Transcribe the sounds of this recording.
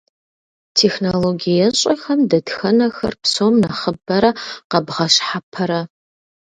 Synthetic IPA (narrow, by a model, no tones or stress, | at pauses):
tʰexnoloɡijɐɕʼɐxɐmdɐdxɐnɐxɐ̰rpsomnɐχəbɐɾɐqɐbʁɐɕħapʰɐɾɐ